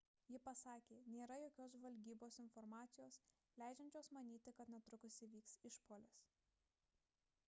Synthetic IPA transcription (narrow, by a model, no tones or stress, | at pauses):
jɪpɐsɑːkʲeːnʲeːɾɐjoːkʲoːsʋɐlʲɡʲiːboːsɪnfɔɾmɑːt̪sʲɪjoːs | lʲæˑɪd͡ʒʲɛnʲt͡ʃʲoːsmɐnʲiːt̪ʲɪkɐt̪nʲɛt̪ɾʊkʊsʲɪʋʲiːksɪʃpoːlʲɪs